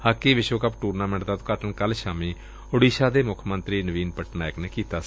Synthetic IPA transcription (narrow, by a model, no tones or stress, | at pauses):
haːkeːʋɪʃoːkəpʈuːɾnaːmẽːɳʈd̪aːt̪kaːʈəɳkəlʃaːmiː | ʊɽiːʃaːd̪eːmʊkʰmənt̪ɾiːnəʋiːnpəʈnaːɪkneːkiːt̪aː